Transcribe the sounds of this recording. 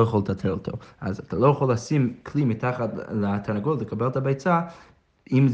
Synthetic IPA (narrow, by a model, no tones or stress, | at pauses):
ojaχolət̪ʰatʰɛlotʰoa̰zat̪ʰalojaχolːasimkʰlimitʰaχatlatʰanaɡolləkʰabɛltʰabajt͡sa | imz